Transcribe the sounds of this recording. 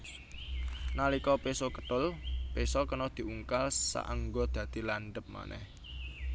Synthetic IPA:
nalikɔpesɔkət̪ʊlpesɔkənɔd̪̥i̤uŋkalsa̰ʔaŋɡod̪̥ä̤d̪̥i̤laɳɖəp̚ma̰nʔɛ̰h

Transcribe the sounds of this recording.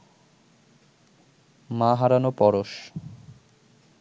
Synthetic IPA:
maɦaɾanopɔɾoʃ

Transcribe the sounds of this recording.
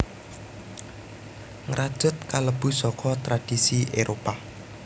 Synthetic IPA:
ŋɾʔad̥ʒ̥ʊ̤t̪̚kaləb̥ṳsɔkʰɔt̪ɾad̥isiʔeɾopa

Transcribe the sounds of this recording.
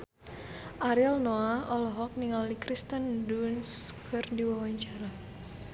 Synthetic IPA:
ʔaɾilnoaɔlɔɦɔk̚niŋalikɾist̪əndunskʰərdiwawaɲt͡ʃaɾa

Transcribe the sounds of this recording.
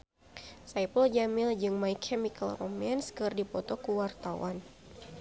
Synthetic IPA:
sajpəld͡ʒamild͡ʒɨŋmaikʰɛmika̰lro̰mɛnskɨrdipɔt̪ɔkuwart̪awa̰n

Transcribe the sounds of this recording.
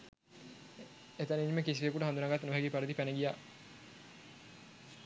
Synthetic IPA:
et̪aniɲməkis̬iʋijəkuʈəɦand̪unaɡat̪ːnuʋɦɛɡipaɾəd̪ipænəɡijaː

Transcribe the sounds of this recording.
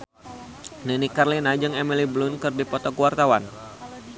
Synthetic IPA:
nɨnikarlinad͡ʒəŋɛmiliblʊnkɨrdipɔt̪ɔkəwart̪awan

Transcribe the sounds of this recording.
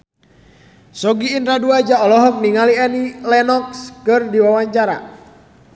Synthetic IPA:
sɔɡiːnt̪ɾaduad͡ʒaɔlɔɦɔk̚niŋaliɛnilɛnɔkskɨrdiwawaɲt͡ʃaɾa̰

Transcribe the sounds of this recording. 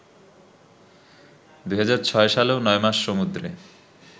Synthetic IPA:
d̪ujɦad͡ʑaɾt͡ɕʰɔeʃaleonɔemaʃːomud̪ɾe

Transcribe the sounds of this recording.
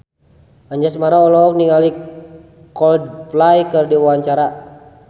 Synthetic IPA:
aɲd͡ʒasmaɾaɔlɔk̚niŋali | kɔld̚plajkərdiwawaɲt͡ʃaɾa

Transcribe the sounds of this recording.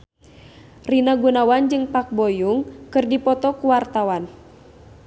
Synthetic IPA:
rinaɡunawand͡ʒɨŋpak̚bɔjuŋkɨrdipɔt̪ɔkuwart̪awan

